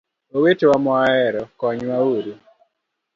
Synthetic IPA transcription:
owetewamɔaɛɾɔkɔɲwawoɾi

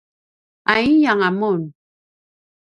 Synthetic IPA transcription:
aijaŋamun

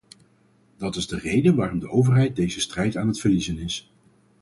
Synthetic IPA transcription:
d̥ɑtɪzdərejdənʋaːrɔmdəʔowvərɦɛjt̚dejzəstrɛjtaːnɦətfərlizənɪs

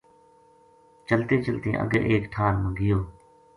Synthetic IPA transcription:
t͡ʃəlt̪ẽːt͡ʃəlt̪ḛ̃ːʔə̰ɡḛʔeːkʈʰaːnmə̃ɡɪjoː

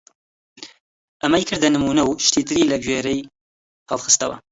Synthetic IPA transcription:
ʔɐmɐjkʰɨɾd̪ɐnɨmunɐwʃt̪ʰit̪ʰɨɾilɐɡweːɾɐj | hʰɑlxɨ̥st̪ɐ̰wɐ̰

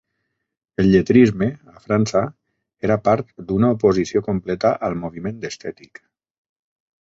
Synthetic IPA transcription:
elʎet̪ɾizmeafɾansa | eɾapaɾt̪̚d̪unaupozisiokomplɛt̪aʔalˠmoβ̞imẽnd̪əst̪ɛt̪ik

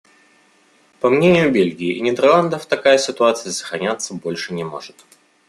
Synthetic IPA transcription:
pɐmnʲenʲɪjʊbʲelʲɡʲɪːɪʔɪnʲɪd̪ʲɛrlˠand̪əft̪ɐkajəsʲɪt̪ʊat̪sɨjəsə̥xɾɐnʲat̪sːəbo̞lʲʂɨnʲɪmo̞̰ʐɨt̪

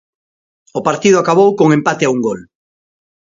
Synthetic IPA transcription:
ʊpaɾt̪ið̞ʊakaβ̞owkoŋẽmpat̪eauŋɡol

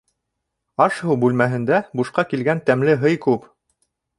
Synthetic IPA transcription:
ɑʃhɤwbʉlmæɦɘ̆nd̪æbuʃqɑkilɡænt̪æmlɘɦɤjkʉp

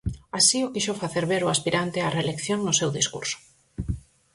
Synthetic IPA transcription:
asiokiʃofaθeɾβeɾʊaspiɾant̪earelekθjoŋnʊsewðiskṵɾsʊ̥

